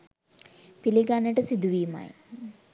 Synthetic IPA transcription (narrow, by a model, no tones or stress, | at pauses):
piliɡanːəʈəsid̪uʋiːma̰j